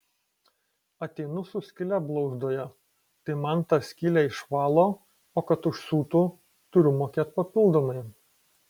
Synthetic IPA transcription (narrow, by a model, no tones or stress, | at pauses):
ɐt̪ʲɛɪnʊsʊsʲkʲɪlʲæblˠɐʊzd̪oːjɛ | t̪ɐɪmɐnt̪ɑsʲkʲɪlʲæɪʃʋɑːlˠoː | oːkɐt̪ʊʃsuːt̪ʊ | t̪ʊɾʲʊmoːkʲeːt̪̚pɐpʲɪlˠd̪oːmɐɪ